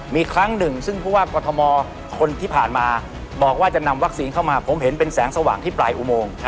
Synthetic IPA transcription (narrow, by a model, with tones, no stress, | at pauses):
miː˧kʰɾa˦˥ŋnɯ˨˩ŋsɯ˥˩ŋpʰuː˥˩waː˥˩kɔː˧t̪ʰɔ˧mɔː˧ | kʰo˧nt̪ʰiː˥˩pʰaː˨˩nmaː˧ | bɔː˨˩k̚waː˥˩t͡ɕa˨˩na˧mwa˦˥k̚siː˧nkʰa˥˩wmaː˧pʰo˩˦mɦe˩˦npe˧nsɛː˩˦ŋsa˧waː˩˦ŋt̪ʰiː˥˩plaː˧jʔu˧moː˧ŋʰ˦˥